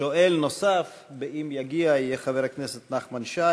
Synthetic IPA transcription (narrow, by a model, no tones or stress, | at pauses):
oʔelnosaf | beimjaɡiaijeχaveʁakneset̪naχmanʃa